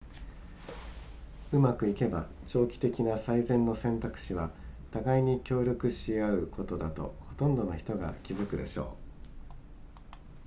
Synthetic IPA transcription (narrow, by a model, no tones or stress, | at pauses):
ɯ̟makɯ̟ike̞bat͡ɕo̞ːkʲi̥t̪e̞kʲinasaizẽ̞nːo̞sẽ̞nt̪akɯ̟̥ɕiβat̪aɡaiɲ̟ikʲo̞ːɾʲo̞kɯ̟ɕiaɯ̟kʰo̞t̪o̞d̪at̪o̞̰ho̞t̪õ̞nd̪o̞noçi̥t̪o̞ɡa̰kʲizɨkɯ̟d̪e̞̰ɕo̞̰ː